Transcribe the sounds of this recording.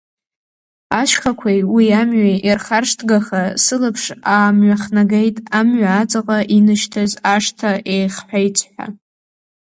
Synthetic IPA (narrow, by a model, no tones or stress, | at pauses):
aʃχakʷʰajwiamɥaʔirχarʂtʰɡaχasɨlɨpʰʂaːmɥaχnaɡejtʼamɥaːt͡sʼaqʼaʔinɨʃtʰazaʂtʰaʔejχħʷᶣajt͡sʷʰʼħʷᶣa̰